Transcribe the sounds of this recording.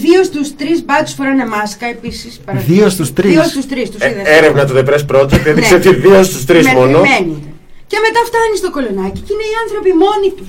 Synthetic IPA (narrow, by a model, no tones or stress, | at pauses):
ðiost̪ust̪ɾizbɐt̪u̥sfoɾɐnemɐskɐe̞pisispɐðiost̪ust̪ɾiost̪ust̪ɾist̪usiðɐeɾevnɐt̪uðepɾespɾo̞t̪ot̪eðikseot̪iðiost̪ust̪ɾizmonomeni | ce̞me̞t̪ɐft̪ɐnist̪o̞ko̞lo̞nɐcicine̞iɐnθɾo̞pimo̞nit̪u